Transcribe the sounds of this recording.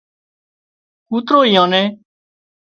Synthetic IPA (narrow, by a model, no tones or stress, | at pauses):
kuːt̪ɾoːiːãːneː